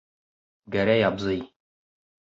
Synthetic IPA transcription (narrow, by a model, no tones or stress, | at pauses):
ɡæɾæjɑbzɤj